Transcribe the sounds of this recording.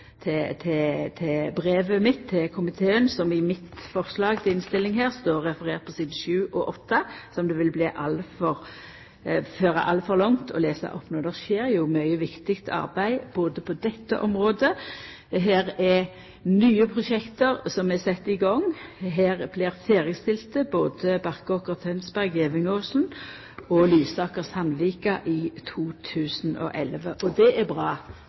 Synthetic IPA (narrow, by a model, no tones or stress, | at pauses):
t̪ʰɛt̪ʰɛt̪ʰɛbʁeːʋəmɪt̪ʰːɪlkʰʊmɪt̪ʰeːənsɔmɪmɪt̪fɔʁslɑːɡt̪ʰɛɪnst̪ɪlːɪŋɦæːʁst̪oːʁːɛfəɾeːʁt̪̚pʰɔsɪːd̪n̩ʃʉːʔɔʔɔt̪ːɑsɔmd̪ɛʋɪlbliːʔɑlfɔʁ | føːɾɑ̰ʔɑlfɔʁlɑŋt̪ʰɔ̰leːsɑ̰ʔɔpːnuːd̪ɛʁʃeːɾjʊmœʏəʋɪkt̪ɪkt̪ʰɑ̰ʁbæɪb̥oːd̪əpʰɔd̪ɛt̪ːə̰ʔɔmʁoːd̪ə | ɦeːʁɛ | nyːəpʰʁʊʃɛkt̪əʁsɔmɛsɛt̪ːɪɡɔŋːɦeːʁblɪːʁfeːʁjəst̪ɪlt̪əboːd̪əbɑʁkɔkəʁt̪ʰœnsbæʁɡeːʋɪŋoːsln̩ | ɔlyːsɑːkəshɑnʋiːkɑʔit̪ʰuːt̪ʰʉːsn̩ɔ̰ʔɛlʋəʔɔd̪ɛʔæbʁɑː